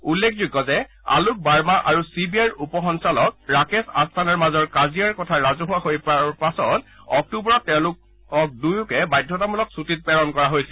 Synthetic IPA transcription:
ulːekʰzuɡːɔzɛ | a̰luk̚baɹmaʔaɹusibiajɹupɔxɔnsalɔk̚ɹakesa̰stʰanɔɹmazɔɹkazijaɹkɔtʰaɹazɔɦʊwaɦojpaɹpasɔtɔk̚tubɔɹɔtːɛʊ̃lʊk | ɔk̚dujʊkɛbajdʱːɔt̬amulɔksutit̚pɛɹɔnkɔɹaɦojsil

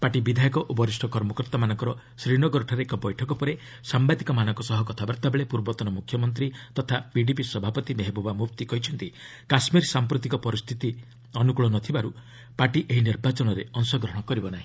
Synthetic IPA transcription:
paʈibid̪ʱajɔkɔʔobɔɾisʈʰɔkɔɾmɔkɾt̪amanɔŋkɔɾɔ | sɾiɽ̃ɔɡɔɾʈʰɔɾeekɔbɔjʈʰɔkɔpɔɾe | sambad̪ikɔmanɔ̃ŋkɔsɔɦɔkɔt̪ʰabɔɾt̪abeɭepuɾbɔt̪ɔnɔmukʰjɔmɔnt̪̬ɾit̪ɔt̪ʰapiɖipisɔbʱapɔt̪imeɦebobamup̚t̪ikɔɦjt͡ʃʰɔnt̪i | kasmiɾsampɾut̪ikɔpɔɾist̪ʰit̪i | ɔnukuɭɔnɔt̪ʰibaɾu | paʈiʔeɦiniɾbat͡ʃɔnɔɾeɔnsɔɡɾɔɦɽ̃ɔkɔɾibɔnaɦĩ

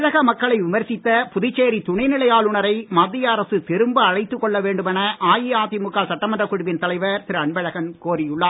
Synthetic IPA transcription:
ɻɐɣɐmɐkːɐɭɐɪʋɪmɐɾsɪt̪ːɐpʊðɪt͡ʃːeːɾit̪ʊɳɐɪnɪɭɐjaːlʊɳɐɾɐɪmad̪ːɪjɐːɾɐsɯt̪ɪɾɯmbɯɐɻɐɪt̪ːɯkːɔɭːɐʋeːɳɖɯmɛnɐʔaːjiaːt̪imʊkːaːlsɐʈːɐmɐndrɐkːʊɽʊʋɪnt̪ɐlɐɪʋɐɾt̪ɪɾɯɐɳbɐɻɐɣɐnkoːrɪjʊɭːaː

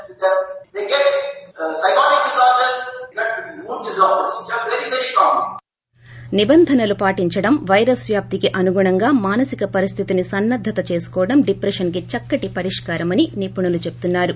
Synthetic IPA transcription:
d̪d̪eɡeʈsɐɪkɔːnik̚ɖɪzaːsʈɐɾzeɡeʈumuːɖɖɪzaːsʈɐsiʈɐ̃mʋeɾiʋeɾikaːmə̃n | nibɐnd̪ʱɐnɐlupaːʈiɲt͡ʃɐɽɐmʋɐjɾɐsʋjaːp̚t̪ikiʔɐnuɡuːɳɐŋɡaːmaːnɐsikɐpɐɾist̪ʰit̪inisɐnːɐd̪ʱːɐt̪ɐt͡ʃe̞ːsu̥kɔːɐɽɐmɖipɾɐʂɐnk̬it͡ʃɐkːɐʈipɐɾiʂkaːɾɐmɐninipːuɳɐlut͡ʃe̞p̚t̪unːaːɾu

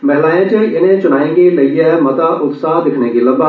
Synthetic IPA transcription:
mɛɦlaːẽt͡ʃeʔɪnẽt͡ʃʊnaːẽɡelɐijamɐt̪aʔʊt̪saːd̪ɪkʰnekilɐba

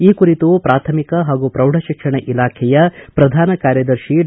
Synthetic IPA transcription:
iːkuɾit̪upɾaːt̪ʰɐmikɐɦaːɡupɾɐwɖ̤ʱɐʃikʂɐɳeʔilaːkʰɛjɐpɾɐd̪ʱaːnɐkaːɾjɐd̪ɐɾʃi

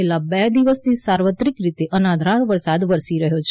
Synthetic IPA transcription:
elabɛd̪iʋəst̪ʰisaɾʋət̪ɾikɾit̪eʔənad̪ʱɾaɽʋəɾsad̪ʋəɾsiɾəɦot͡ʃʰ

